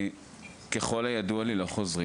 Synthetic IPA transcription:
keχo̞lajadualilo̞χo̞zʁi

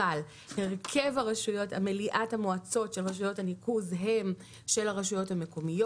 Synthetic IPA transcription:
al | heʁkʰevaʁaʃujo̞ta̰meliʔathamoat͡so̞tʃe̞lʁaʃ̬ujo̞thanikuzɦe̞m | ʃe̞laʁaʃujo̞thame̞ko̞mijo

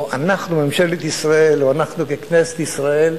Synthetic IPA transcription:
ʔanaχnumemʃelet̪isʁaeloanaχnukeknese̥t̪isʁae̞l

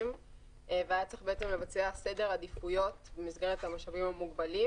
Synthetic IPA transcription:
m | veajat͡sʁiχbe̞et͡semle̞vat͡sease̞de̞ʁhad̪ifujo̞tbemizɡeʁethamaʃavimhamuɡbali

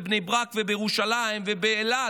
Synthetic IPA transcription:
bnejbʁakvebejeuʃalaimvebeːla

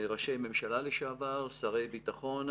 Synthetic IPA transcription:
ʁaʃejme̞mʃalaleʃaavaʁsaʁe̞jbit̪aχo̞n

